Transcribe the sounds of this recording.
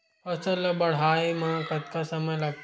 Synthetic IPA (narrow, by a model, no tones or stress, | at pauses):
əsəlɐbɐɽ̤aimãkət̪̚kasəməjlaɡ̪̚